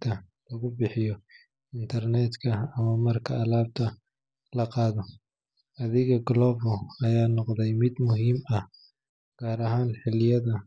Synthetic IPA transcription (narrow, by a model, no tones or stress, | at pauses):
t̪ʰɐlɐɣʊbɪħɪjɔ | ɪnt̪ʰɐrnɛt̪kʰɐːmɐmɐrkʰɐːlaːb̚t̪ʰɐ | lɐqɑːðɔ | ɐðɪɣɐɡlɔːbɔɐjaːnɔqd̪ɛjmɪd̪mʊɦiːmɐh | ɡ̥aːɾɐɦaːnħɪlɪjɐðɐ